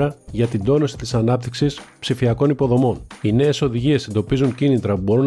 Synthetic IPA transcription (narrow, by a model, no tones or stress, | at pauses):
ɐʝɐt̪ind̪o̞no̞si̥t̪isɐnɐp̚t̪iksispsifiɐko̞nipo̞ðo̞mo̞nine̞ːso̞ðiʝie̞se̞nd̪o̞pizuɲcinit̪ɾɐpubo̞ɾun